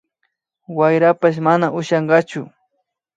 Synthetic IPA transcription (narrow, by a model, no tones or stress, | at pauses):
wajɾapaʃ̬manaʔʊʃɑɴɢɑt͡ʃʊ